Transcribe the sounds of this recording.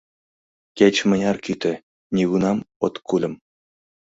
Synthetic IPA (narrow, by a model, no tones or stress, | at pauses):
kʲet͡ɕmɘ̆nʲɑrkʲyt̪ɘ̆ | nʲeɡunɑmot̪kulʲɘ̆m